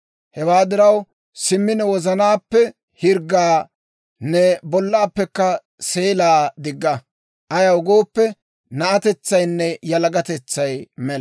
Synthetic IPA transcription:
hɛwaːd̪ɪɾɐw | sɪmːɪnɛwɔzɐnaːpːɛ | hɪɾɡːaː | nɛbɔlːaːpːɛkːɐ | se̞ːlaːd̪ɪɡːɐ | ʔɐjɐwʊɡo̞ːpːɛ | nɐʔɐt̪ɛt͡sːɐjnːɛjɐlɐɡɐt̪ɛt͡sːɐjmɛl

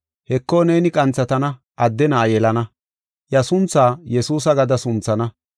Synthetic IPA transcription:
hɛkːoːneːnɪkʼɐnt͡sːɐt̪ɐnɐ | ʔɐd̪ːɛnɐːjɛlɐnɐ | jɐsʊnt͡sːaːjɛsuːs̬ɐɡɐd̪ɐsʊnt͡sːɐnɐ

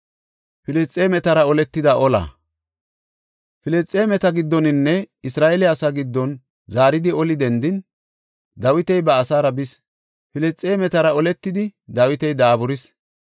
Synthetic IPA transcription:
fɪlɛt͡sʼːemɛt̪ɐɾɐɔlɛt̪ːɪd̪ɐʔɔla̰ | fɪlɛt͡sʼːeːmɛt̪ɐɡɪd̪ːɔnɪnːɛɪsɾaːʔelɪasaːɡɪd̪ːɔn | zaːɾɪd̪ɪɔlɪd̪ɛnd̪ɪn | d̪ɐwɪt̪ɛjbɐːsaːɾɐbɪs | fɪlɛt͡sʼːeːmɛt̪ɐɾɐɔlɛt̪ːɪd̪ɪd̪ɐwɪt̪ɛjd̪aːbʊɾɪs

